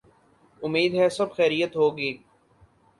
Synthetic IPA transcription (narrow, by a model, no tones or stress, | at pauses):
ʊmːiːd̪ɦɛːsɐbxɛːɾijət̪ɦoːɡiː